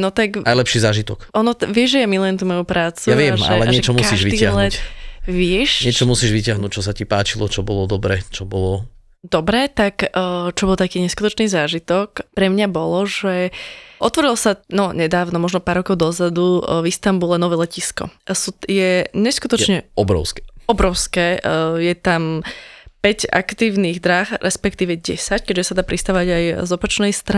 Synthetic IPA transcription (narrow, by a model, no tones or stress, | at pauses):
nɔt̪akajlɛpʃizaːʒit̪ɔkʔɔnɔʋɪɛʒʒɛjamiluɛmt̪uːmɔjupɾaːt͡suaʋɪɛma̰lɛɲɪɛt͡ʃɔmuasiʒʋid̪iːaɦlɛʋɪɛʃɲɪɛt͡ʃɔmusiʒʋicɪaɦnuːc̚t͡ʃɔsacipaːt͡ʃilɔt͡ʃɔbɔlɔd̪ɔbɾɛt͡ʃɔbɔlɔ | d̪ɔbɾɛt̪akːt͡ʃɔbɔlˠt̪akiːɲɛskut̪ɔt͡ʃniːzaːʒit̪ɔkpɾɛmɲabɔlɔʒɛʔɔt̪ʋɔɾilɔsanɔɲɛd̪aːʊnɔmɔʒnɔpaːɾːɔkɔʊd̪ɔzad̪uvist̪ambulɛnɔʋɛlɛciskɔ̰suːjɛɲɛskut̪ɔt͡ʃɲɛɔbɾɔ̰ʊskɛɔbɾɔʊskɛːjɛt̪am | pɛɟa̰kt̪iːʊniːɣd̪ɾaxɾɛspɛkt̪iːʋɛɟɛ̰sackɛʒɛsad̪aːpɾist̪aːʋʋaɟajzɔpat͡ʃnɛjst̪ɾa